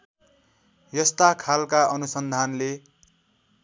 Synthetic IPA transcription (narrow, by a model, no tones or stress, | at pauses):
jʌst̪akʰalkaʌnusʌnd̪ʱanle